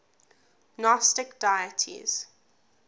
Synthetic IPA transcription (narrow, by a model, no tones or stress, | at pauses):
nɔstɪkd̥aɪətʰḭz̥